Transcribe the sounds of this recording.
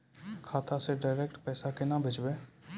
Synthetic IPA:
kʰaːt̪aseɖaːɾeːkʈpɛːsakɪnãːbʱɪd͡ʒbeː

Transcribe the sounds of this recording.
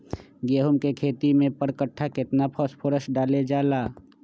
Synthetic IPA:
ɡeːɦumkekʰeːt̪imẽpəɾkəʈʰːakɪt̪napʰɔspʰoɾəsɖaːled͡ʒaːlaː

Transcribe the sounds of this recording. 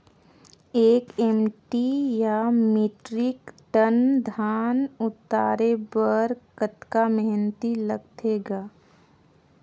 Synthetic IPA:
eːkeːmʈijamiːʈɾɪkʈənd̪ʱaːnʊt̪aːɾebəɾkət̪kamɛɦnt̪iləɡ̚t̪ʰeːɡaː

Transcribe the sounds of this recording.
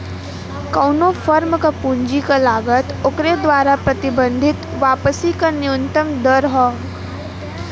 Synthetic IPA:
kɐːnofʰəɾmkapũːɲd͡ʒikalaːɡət̪ʊkɾed̪ʋaːɾapɾɐt̪ɪbə̃nd̪ʱɪt̪ʋaːpəsikanɪʊ̃nt̪əmd̪əɾɦɔː

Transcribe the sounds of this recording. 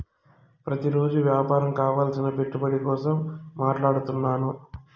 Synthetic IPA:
pɾɐt̪iɾoːd͡ʒuʋjaːpaːɾɐmkaːʋaːlsinɐpe̞ʈːubɐɽikɔːsɐmːaːʈlaːɽut̪unːaːnu

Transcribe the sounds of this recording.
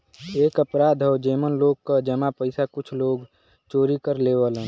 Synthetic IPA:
eːkəpɾaːd̪ʱɔʊd͡ʒeːmənloːɡ̚kad͡ʒəmapəɪsakʊt͡ʃʰloːɡ | t͡ʃoːɾikəɾleːʋələn

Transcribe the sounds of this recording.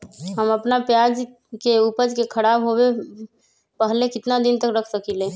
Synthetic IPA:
ɦəməpnapjad͡ʒ | keupəd͡ʒkekʰəɾabɦobe | pəɦlekɪt̪nad̪ɪnt̪əkɾəkʰsəkile

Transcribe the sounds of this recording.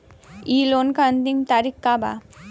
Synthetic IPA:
iːlonkand̪iŋt̪aɾikːaba̰

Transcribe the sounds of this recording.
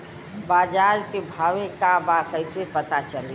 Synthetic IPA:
baːd͡ʒaːɾkebʱaːʋẽkabakəɪsepət̪at͡ʃəli

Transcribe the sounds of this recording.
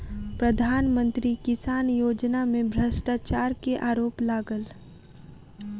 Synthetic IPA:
pɾəd̪ʱaːnmə̃nt̪ɾikɪsaːnjoːd͡ʒnamẽbʱɾəsʈaːt͡ʃaːɾkeʔaːɾoːplaːɡəl

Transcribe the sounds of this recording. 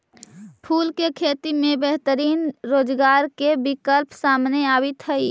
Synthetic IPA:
pʰuːlkekʰet̪imẽbɛɦt̪əɾiːnɾoːd͡ʒɡaːɾkebikəlpsaːmneaːbɪt̪ɦəi

